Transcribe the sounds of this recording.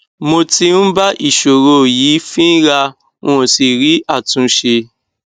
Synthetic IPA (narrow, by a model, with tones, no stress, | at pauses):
mo˧ti˧n̩˦ba˦ʔi˦˨ʃo˨ɾo˧˨jiː˨˦fĩ˦ɾa˧ | w̃ɔ̃˨si˨ɾi˨˦ʔa˦˨tũ˨˧ʃe˧